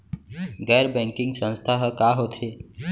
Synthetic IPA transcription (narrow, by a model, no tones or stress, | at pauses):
ɡɛjɾbɛ̃ŋkiŋɡsə̃w̃st̪ʰaɦəkaɦot̪ʰe